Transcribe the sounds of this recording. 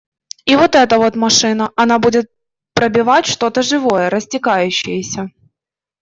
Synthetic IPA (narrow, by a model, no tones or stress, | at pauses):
ivo̞t̪ɛt̪əvo̞t̪mɐʂɨnəʔɐnabudʲɪt̪̚ | pɾəbʲɪvatʲʂt̪o̞t̪əʐɨvo̞jəɾəsʲtʲɪkajʉɕːɪjəsʲə